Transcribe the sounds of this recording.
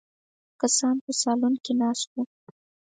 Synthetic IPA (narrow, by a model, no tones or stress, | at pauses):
kasɑnpəsɑlunkinɑst̪u